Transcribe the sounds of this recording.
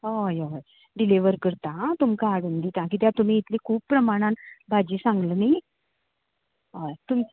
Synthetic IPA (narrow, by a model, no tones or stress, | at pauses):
ojoj | ɖiliʋəɾkəɾt̪ãt̪umkaːɽund̪it̪ãk̬it̪jãt̪um̤iːt̪likʰuːppɾəmaɽ̃ãnbʱad͡ʑisãŋɡlənaɦ | ajt̪um